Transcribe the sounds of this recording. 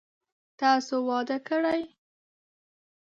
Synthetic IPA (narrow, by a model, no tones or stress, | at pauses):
t̪ɑsowɑd̪əkəɽaj